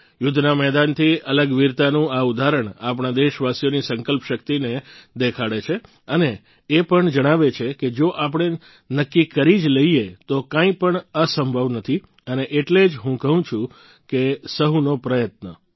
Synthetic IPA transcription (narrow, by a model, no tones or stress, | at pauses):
jʊd̪ʱnamɛɦd̪ant̪ʰiələɡʋiɾt̪anũaud̪ʱaɾəɳapɳ̃ad̪eʃʋasijonisəŋkəlpʃək̚t̪ined̪ekʰaɽet͡ʃʰe | əneː | pəɳd͡ʒəɽ̃aʋet͡ʃʰeked͡ʒoʔap̬ɳ̃e | nəkːikəɾid͡ʒləiet̪okãĩpəɳəsəmbʱəʋnət̪ʰi | əneʔeʈled͡ʒɦũkəɦũt͡ʃʰũ | kesəɦunopɾəjət̪nə